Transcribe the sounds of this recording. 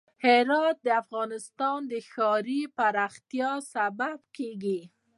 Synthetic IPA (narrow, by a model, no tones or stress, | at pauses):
hɪɾɑt̪̚d̪əafɣɑnɪst̪ɑnd̪əxɑɾipaɾɑxt̪jɑsababkeɡi